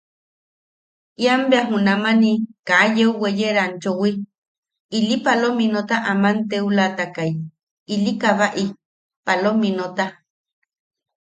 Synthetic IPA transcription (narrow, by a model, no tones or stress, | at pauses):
iambeaɦũnamanikajeuwejeɾant͡ʃowi | ilipalominot̪aʔamant̪eulat̪akaj | ilikaβaʔi | palominot̪a